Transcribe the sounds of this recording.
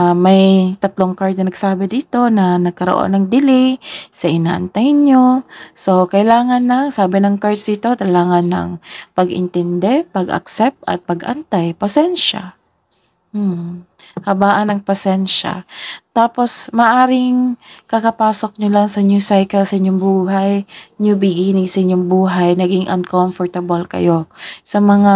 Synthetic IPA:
mɐjt̪ɐt̪loŋkaɹd̪ɐnɐɡsaːbɪd̪iːt̪o̞nɐnɐɡ̚kɐɾoʔo̰nɐŋd̪ɪlɪsɐʔɪna̰ːʔɐ̰nt̪ajnɲoso̞kɐɪlaːŋɐnːɐŋsaːbɪnɐŋkaɹsit̪o̞t̪ɐlaːŋɐnːɐ̰ŋpɐɡʔɪ̰nt̪ɛnd̪ɛpɐɡʔɐ̰k̚sɛp̚t̪ʔɐ̰t̪̚pɐɡʔɐ̰nt̪ajpɐsɛnʃa̰ | m̩ː | hɐbaːʔɐnɐŋpɐsɛnʃa̰t̪aːpo̞smɐʔaːɾɪŋkɐkɐpaːso̞k̚ɲolaŋsɐɲusajkɛlsɐʔɪɲːoŋbuːɦajɲobɪɡiːnɪɡsɐʔɪɲːoŋbuːɦajnɐɡɪŋʔɐnkomfɔɹt̪ɐbɐlkɐ̰josɐmɐŋa

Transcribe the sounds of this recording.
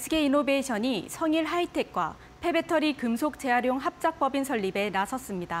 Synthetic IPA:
sʰɯɡeinobe̞ɕʰʌɲisʰʌŋiɭɦaitʰe̞k̚k͈wa̰ | pʰe̞be̞tʰʌɾikɯmsʰok̚t͡ɕ͈e̞aɾjoŋɦap̚t͡ɕ͈ak̚p͈ʌbinsʰʌʎːibe̞nasʰʌs͈ɯmɲida

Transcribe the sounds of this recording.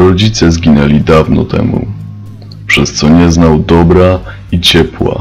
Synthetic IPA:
ɾɔd͡ʑit̪sɛzɡʲinɛlʲid̪avnɔ̰t̪ɛ̰mṵ | pʂɛst̪sɔɲɛznawd̪ɔbɾa | it͡ɕɛpwa̰

